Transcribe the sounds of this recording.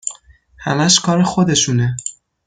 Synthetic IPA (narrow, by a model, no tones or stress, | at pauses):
hæmæʃkʰɒːɾexod̪e̞ʃuːne